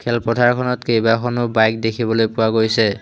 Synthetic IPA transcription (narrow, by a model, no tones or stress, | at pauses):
kʰɛlpɔdʱaɹkʰɔnɔtkejbakʰɔnʊbajk̚dekʰibɔlojpʊwaɡojsɛ